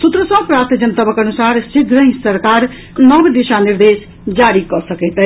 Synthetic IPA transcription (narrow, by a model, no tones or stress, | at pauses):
sut̪ɾəsɔ̃pɾaɾt̪id͡ʒənət̪əbəkənusaɾsid̪ɾəɦsəɾkaɾ | nʌbd̪iʃaniɾd̪es | d͡ʒaɾikɔsəkɛɪt̪ɛ